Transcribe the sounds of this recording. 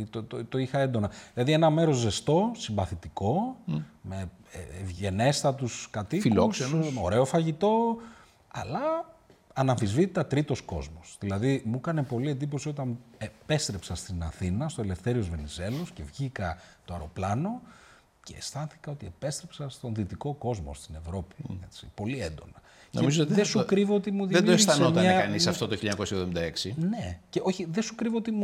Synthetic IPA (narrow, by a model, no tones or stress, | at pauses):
t̪ot̪ot̪oixɐe̞nd̪o̞nɐðilɐðie̞nɐme̞ɾo̞zːe̞st̪o̞simbɐθit̪iko̞me | vʝe̞ne̞st̪ɐt̪uskɐt̪ifikloksenoɾe̞o̞fɐʝit̪o̞ | ɐ̰lɐ | ɐnɐfizvit̪it̪ɐt̪ɾit̪o̞sko̞̰zmosðilɐðimukɐne̞po̞lie̞nd̪ipo̞siot̪ɐnepe̞st̪ɾe̞psɐst̪inɐθinɐst̪oele̞fθe̞ɾio̞zve̞nize̞lo̞sce̞̰vʝikɐt̪oɐɾo̞plɐno̞ | ceːst̪ɐnθi̥kɐo̞t̪ie̞pe̞st̪ɾepsɐst̪o̞nðit̪iko̞ko̞zmost̪ine̞vɾo̞pi̥et͡sipo̞liend̪o̞̰nɐ | noemizoðesukɾivoot̪imuðiðeoesθɐnomɐɐɐnisɐft̪ot̪oçiɐɲɐko̞sjevðomind̪ɐeksineceoçiðe̞sukɾivoot̪imu